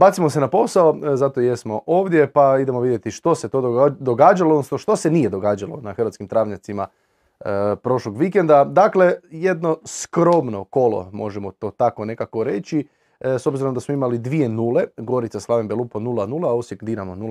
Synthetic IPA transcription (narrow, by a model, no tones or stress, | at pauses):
baːt̪simosenapo̞saozat̪o̞je̞smo̞ʔo̞ːʋd̪je̞paid̪e̞moʋid̪jet̪iʃt̪o̞set̪o̞od̪oɡaːd͡ʒalˠoodnosnoʃt̪o̞senijed̪o̞ɡaːd͡ʒalo̞̰naxəɾʋat̪skimt̪ɾaːʋʎat̪sima | pɾo̞ʃlo̞ɡʋikend̪ad̪akleje̞d̪no̞skɾo̞mno̞ko̞lo̰mo̞ʒemot̪o̞ːt̪ako̞ne̞kako̞ɾe̞t͡ʃi | sobziɾomd̪asmoimalid̪ʋie̞nuːle̞ɡo̞ɾit̪saslˠaʋembelˠuponulanulˠaosʋjekd̪iɾamonul